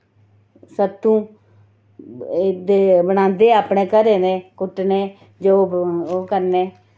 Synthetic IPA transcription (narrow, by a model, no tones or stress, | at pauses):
sət̪ːũː | d̪eːbənãːnd̪eːaːpɳeːkəɾeːneːkʊʈnẽː | d͡ʒoːoːkəɾneː